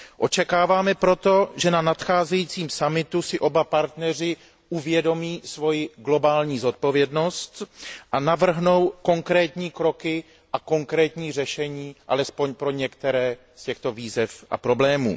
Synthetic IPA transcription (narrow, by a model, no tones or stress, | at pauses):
ʔo̞t͡ʃɛkaːvaːmɛpɾo̞t̪o̞ʒɛnanat̪xaːzɛjiːt͡siːmsamɪt̪usɪʔo̞bapaɾt̪nɛr̝ɪ | ʔuvjɛdo̞miːsvo̞jɪɡlo̞baːlɲiːzo̞t̪̚po̞vjɛdno̞st̪ʔanavr̩ɦno̞wko̞ŋkɾɛːt̪ɲiːkɾo̞kɪ | ʔako̞ŋkɾɛːt̪ɲiːrɛʃɛɲiːʔa̰lɛspo̞ɲpɾo̞ɲɛkt̪ɛɾɛː | scɛxt̪o̞viːzɛfʔa̰pɾo̞blɛːmṵː